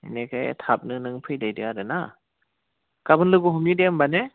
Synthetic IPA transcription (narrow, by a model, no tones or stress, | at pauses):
nekʰaj̰tʰap̚nɯnɯŋpʰɯjdajdɯadɯna | kabɯnlɯɡuɦumjudembane